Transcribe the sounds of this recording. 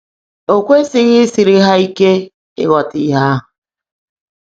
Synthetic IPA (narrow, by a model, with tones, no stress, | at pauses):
o˨kʷe˦sɪ˦ɣɪ˦si˨ɾɪ˦ɦa˦i˦ke˦ | ɪ̰˦ɣɔ˨tɪ˨˦ɦa˦ɦ